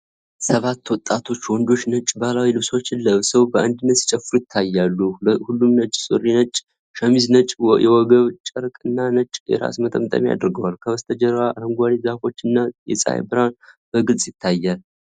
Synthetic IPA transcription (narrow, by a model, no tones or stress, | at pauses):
səβat̪ːwɔt̪ʼːat̪ʰo̞t͡ʃːwɔnd̪o̞t͡ʃːnət͡ʃʼbalawilɨβso̞t͡ʃːɪnləβsəwbəʔand̪ɨnːət̪si̥t͡ʃʼɛfɨɾujɪt̪ʰːajːalːuhulːumnət͡ʃʼsʼɨ̰rinət͡ʃʼ | ʃəmiznət͡ʃʼjɛwɔɡəβt͡ʃʼəɾkʼɨnːanət͡ʃʼjɛ̰ɾa̰smət̪ʼəmt̪ʼə̰mja̰d̪əɾɡəwalkʰəməst̪ʰəd͡ʒəɾwaɾəŋɡʷalizafo̞t͡ʃːɨnːajɛ̰sʼa̰jbɨɾanb̥əɡɨlsʼjɪt̪ʰːajːal